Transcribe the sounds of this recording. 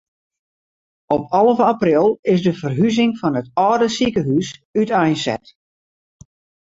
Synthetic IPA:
ɔpʰɑlˠəvəaprɪlˠɪsdəvərɦyzɪŋfɑnətɔːdəsikəɦysytɛjnsɛ̰t

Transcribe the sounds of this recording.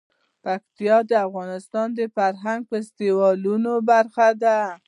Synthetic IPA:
pak̚t̪ijɑd̪əafɣɑnɪst̪ɑnd̪əfaɾɦaŋɡ̚pəɪst̪ewɑlunobaɾxad̪a

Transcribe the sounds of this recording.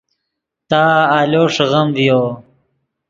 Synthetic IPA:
t̪aːaːloːʂɐɣɐmvijoː

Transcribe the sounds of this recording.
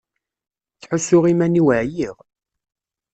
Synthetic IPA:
θħʊsːʊʁimæniwəʕjiʁ

